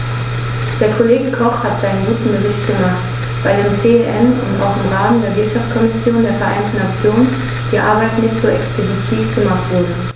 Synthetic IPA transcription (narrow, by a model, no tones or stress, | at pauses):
d̥eːɐkʰoleːɡəkʰɔχhatz̥aɪnənɡuːtn̩bəʁɪçtɡ̥əmaχt | v̥aɪdeːmt͡seɛʔɛnʊ̰ntʔa̰ʊxɪmʁaːdn̩deːɐvɪɐtʃaft͡skʰɔmɪsjoːndeːɐfɛɐʔa̰ɪntn̩nat͡sjoːnən | d̥iːʔa̰ɐbaɪtnɪçtz̥oːʔɛkspʰozitʰiːfɡ̥əmaχtv̥ʊɐdə